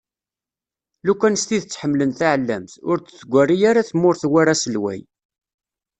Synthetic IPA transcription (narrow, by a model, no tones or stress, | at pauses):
lukʷːænst̪iðət͡sːħəmːlənθaʕəlːæmθʊɾt͡st͡sːɡʷːærːijaɾaθmːʊɾθwaɾasəlwæ̰j